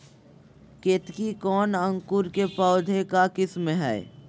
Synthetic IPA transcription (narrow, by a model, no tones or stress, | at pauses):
keːt̪kikɔːnə̃ŋkʊɾkepɔːd̪ʱekakɪsmeɦɛ̰ː